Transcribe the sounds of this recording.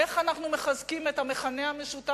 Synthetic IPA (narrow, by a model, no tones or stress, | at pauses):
eχanaχnume̞χazkimethameχaneame̞ʃuta